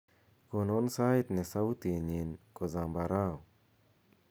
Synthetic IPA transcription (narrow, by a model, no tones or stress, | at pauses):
kononsaːit̪nesɐwt̪iɲinkozãːmbaɾaːw